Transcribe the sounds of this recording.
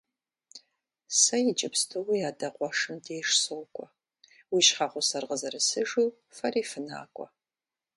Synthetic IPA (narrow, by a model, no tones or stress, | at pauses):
sɐjɪt͡ʃʼɪpstʰɨwijaːdɐqʷʼɔʂɨmdeːʂsowkʷʼɔ | wiːʃχaχʷʊsɐrʁəzɐɾɨsɨʐiw | fɐriːfɨna̰ːkʷʼɔ̰